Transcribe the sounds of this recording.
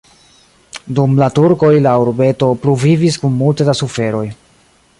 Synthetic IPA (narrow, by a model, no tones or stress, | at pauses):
dumlatuɾko̞jlauɾbe̞to̞pɾuviviskunmultedasufe̞ɾo̞j